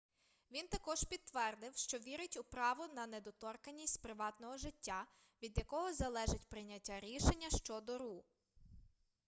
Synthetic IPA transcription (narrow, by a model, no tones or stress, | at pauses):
ʋʲint̪ɐkɔʒpʲid̪ʋɛrd̪ɪwʃt͡ʃɔʋʲiɾɪtʲʊpɾɑʋʊnɐnɛd̪ɔt̪ɔrkɐnʲːisʲtʲpɾɪʋɑt̪nɔɦɔʒɪtʲːa | ʋʲid̪jɐkɔɦɔzɐlˠɛʒɪtʲpɾɪnʲɐtʲːaɾʲiʃenʲːɐʃt͡ʃɔd̪ɔɾu